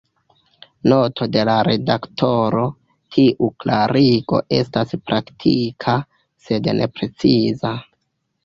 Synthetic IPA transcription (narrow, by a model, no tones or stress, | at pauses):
no̞tʰo̞de̞laɾe̞daktʰo̞ɾo̞ | tʰiʔuklaɾiɡo̞̰ʔe̞staspɾaktʰikʰa | se̞dnʔe̞̰pɾe̞t͡siza